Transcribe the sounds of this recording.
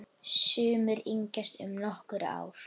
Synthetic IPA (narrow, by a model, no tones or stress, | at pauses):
sʏːmʏɾiɲcast̪ʏmnɔhkʏɾa̰ːwɾ̥